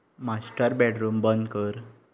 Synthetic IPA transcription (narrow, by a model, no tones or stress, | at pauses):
masʈəɾbɛʈɾuːmbənd̪kəɾ